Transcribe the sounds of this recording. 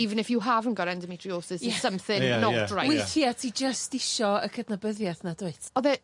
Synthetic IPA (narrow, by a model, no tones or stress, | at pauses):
ivənɪfjuɦavənɡɔɾɛndəmitʰrioːsɪsjɛsəmθɪnnɔrawjwɪθjatʰid͡ʒəstɪʃɔəkʰədnabəðjaθnadʊɨθɔðɛ